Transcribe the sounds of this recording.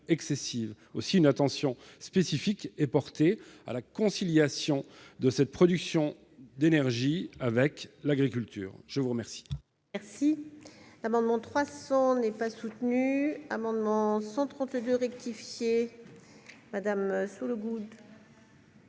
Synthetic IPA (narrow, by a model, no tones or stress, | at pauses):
ɛksesiv | osiynat̪ɑ̃sjɔ̃spesifikɛpɔʁt̪ea̰lakɔ̃siljasjɔ̃d̪əsɛt̪̚pχɔd̪yksjɔ̃ | d̪enɛʁʒiavɛklaɡʁik̬ʲylt̪ʰy̰ːʁʒ̥əvuʁəmɛʁsi̥ | mɛʁsilamɑ̃d̪mɑ̃t̪χwasɑ̃nɛpasut̪nyamɑ̃d̪mɑ̃sɑ̃t̪χɑ̃t̪d̪øʁɛk̚t̪ifje | mad̪amsuləɡud̪